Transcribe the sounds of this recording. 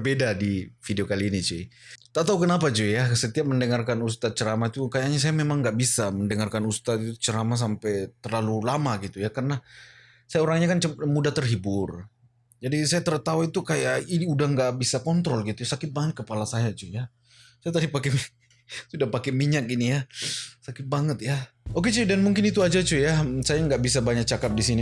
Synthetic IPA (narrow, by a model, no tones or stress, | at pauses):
bedadifideokaliːnit͡ʃeit̪aʔt̪aukənapad͡ʒujasət̪iap̚məndəŋarkanust̪at̪̚t͡ʃəɾamait̪ukajakɲas̬ajamemaŋɡaʔbisaməndəŋarkanust̪at̪̚it̪ut͡ʃəɾamas̬ampɛjt̪ərlalulamaɡit̪ujakərəna | sajaoɾaŋɲakant͡ʃəmudat̪ərɦibʊr | d͡ʒadisajat̪ərt̪auit̪ukajaiudaŋɡaʔbisakɔnt̪ɾɔlɡit̪ujsakɪt̪̚baŋət̪̚kəpalasajat͡ʃuja | sajat̪̬adipakɛ | sudahpakɛmiɲakinijasakɪt̪̚baŋət̪jaok̬et͡ʃudanmuŋkɪnit̪uad͡ʒat͡ʃujasajaŋɡaʔbis̬abaɲak̚t͡ʃakap̚disini